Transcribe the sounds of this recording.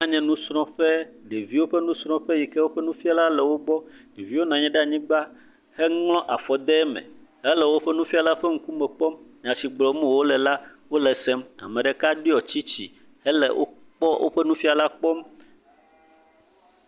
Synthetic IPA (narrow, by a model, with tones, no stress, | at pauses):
ã˨ɲɛ̃˨nũ˦sɾɔ̃˦ɸɛ˦ɖe˨vi˦wo˦ɸɛ˦nũ˦sɾ̃ɔ̃˦ɸɛ˦ji˨kɛ˦wo˦ɸɛ˦nũ˦fi˦a˦la˦lɛ˨wo˦ɡ͡bɔ˦ɖe˨vi˦wo˦nã˨ɲɛ̃˦ɖa˦˨ɲĩ˦ɡ͡ba˦ | hɛ˦ŋlɔ̃˦ʔa̰˨fɔ˨d̪ɛ˦ɛ˦mɛ̰̃˨ɦɛ˦lɛ˨wo˦ɸɛ˦nũ˦fi˦a˨la˦ɸe˦ŋ̩˦ku˦mɛ˨k͡pɔ˦mɲ˨ã˨si˨ɡ͡blɔ˨mũ˦wo˦lɛ˨la˦wo˦lɛ˨sɛ˦ma̰˨mɛ̃˨ɖɛ˨ka˦ɖi˦ɔ˨t͡ɕi˦t͡ɕḭ˨ | hɛ˦lɛ̰˨wʔo̰˦ | k͡pɔ˦wʔo̰˦ɸɛ˦nũ˦fi˦a˨la˦k͡pɔ˦m